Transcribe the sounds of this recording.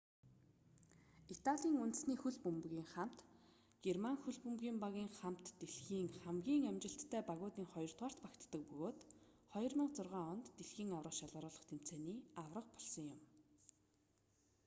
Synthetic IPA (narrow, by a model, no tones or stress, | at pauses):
it̪aɮʲiːŋunt̪ɘ̆sniːxuɮpɵmpɣiːŋχam̥t̪ | ɡ̥ermaŋxuɮpɵmɣiːmpaɣʲiːŋχam̥t̪ːeɮxiːŋχæmɡʲiːŋæmʲt͡ɕɪ̆ɬt̪ʰːæːpaɣʊːt̪iːŋχɔjɞ̆rt̪ʁaːr̥t̪pakt̪ːə̆k̚pɵɣoːt̪ | χɔjɞ̆rməqt͡sʊrʁaːɔnt̪ːeɮxiːŋawrə̆ʃaɮʊːɾʊːɮɞ̆χt̪ʰem̥t͡sʰeːniːawrə̆q̚pɔɮsɞ̆ŋjʊm